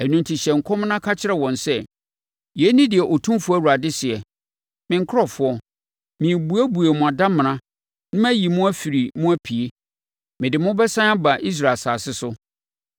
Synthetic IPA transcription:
æ˨nũ˨ntʰi˨ɕɛ˨ŋ̩˨kʰɔ˦m˦nã˦kʰa˦t͡ɕʰɪ˦ɾɛ˨wɔ̃˨nsɛ˦ | jɛ˨˦nĩ˦dɪ˨ɛ˨ʔo˨tʰũ˦fʊ˦æ˦˨wu˨a˨dɪ˦sɪ˨ɛ˨ | mɪ̃˨ŋ̩˨kʰɾɔ˦fʊ˦ɔ˦ | mĩ˨bu˦æ˦bu˨e˨mʊ̃˨a˨dã˦mɪ̃˨nã˦ | nʊ̃˦m˦æ˦ji˨mʊ̃˦æ˦fi˨ɾi˨mʊ̃˦æ˦pʰi˨e˦ | mɪ̃˨dɪ˨mʊ̃˦bɛ˦sã˦a˦ba˨ʔi˦s̬ɾa˨saː˨sɪ˦sʊ˦

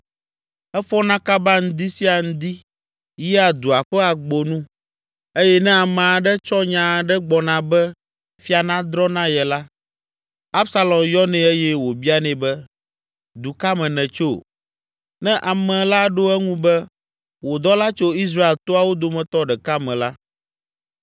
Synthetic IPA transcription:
ɛ˦fɔ˦nã˦ka˦ba˦ŋ̩̃˦d̪i˦si˦a˨ŋ̩̃˦d̪i˦ | jɛ˦a˨d̪u˨a˨ɸɛ˦a˨ɡ͡bo˨nũ˦ | e˦jɛ˦nɛ̃˦a˨mã˨a˨ɖɛ˦t͡ʃɔ˦ɲã˨ɖɛ˦ɡ͡bɔ˨nã˨bɛ˦ | fi˦a˨nã˦d̪ɾɔ˦nã˦jɛ˨la˦ | a˦bsa˦lɔ̃˨mjɔ˦nɛ̃˨e˦jɛ˦wo˨bi˦a˦nɛ̃˨bɛ˦ | d̪u˨ka˦mɛ̃˨nɛ̃˨t͡ʃo˦ | nɛ̃˦ʔa˨mɛ̃˨la˦ɖo˦ɛ˦ŋũ˦bɛ˦ | wo˨d̪ɔ˦la˦t͡ʃo˦i˦s̬ɾa˦e˨lt̪o˦a˨wo˦d̪o˨mɛ̃˨t̪ɔ˦ɖɛ˨ka˦mɛ̃˨la˦

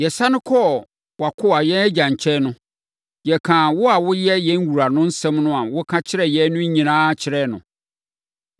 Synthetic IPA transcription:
jɛ˨sa˦nʊ̃˦kʰɔ˦ | wa˨kʰʊ˦a˨jɛ˦nɛ˦d͡ʑã˨ɲ̩˨t͡ɕʰɛ˦nʊ̃˦ | jɛ˨kʰãː˨wʊ˦a˨wʊ˦jɛ˦jɛ˦n̩˦wu˨ɾa˨nʊ̃˦n̩˦sɛ̃˦mnʊ̃˦ã˨wʊ˦kʰã˦t͡ɕʰɪ˦ɾɛ˨jɛ˦nʊ̃˦ɲ̩˦ɲĩ˨nãː˦t͡ɕʰɪ˨ɾɛ˦˨nʊ̃˨

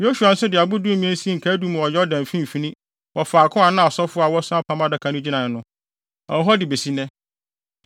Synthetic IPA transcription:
jo˦su˨a˨n̩˦sʊ˦dɪ˨a˨bʊ˦du˦˨mĩ˦ɛ̃˦n̩˦si˦ŋ̩˨kʰa˦du˦m̃˨wɔ˨jɛ˦ɔ˦dã˨m˨fĩ˦m˨fi˦nĩ˦ | wɔ˨faː˨kʰʊ̃˦a˨nã˦˨sɔ˦fʊ˦a˨wɔ˦sʊ̃˦a˦pʰã˦mã˦da˦kʰa˨nʊ̃˦d͡ʑi˦nã˨nʊ̃˦ | a˨ɔ˦ɦɔ˦dɪ˨be˨si˦nɛ̃˦

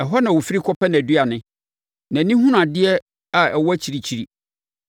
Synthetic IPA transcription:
ɛ˨ɦɔ˦nã˨wo˨fi˦ɾi˦kʰɔ˦pɛ˦ñ˨dɥa˨nɪ̃˦ | nã˨nĩ˦ɦũ˦n˨ã˨dɪ˦ɛ˦ | a˨ɛ˨wɔ˦æ˦t͡ɕʰi˨ɾi˨t͡ɕʰi˨ɾi˨

